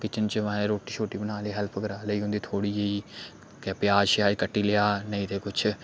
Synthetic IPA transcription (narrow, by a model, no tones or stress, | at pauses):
kɪt͡ʃənt͡ʃʋɛ̃ɾoːʈiːt͡ʃʰoːʈːiːbənaːliːɦɛlpʰɡəɾaːləiːɦʊ̃nd̪iːt̪ʰoːɽiːeiː | kɛːpjaːʃaːiːkəʈːiːlɪjaːnəĩːt̪eːkʊt͡ʃʰ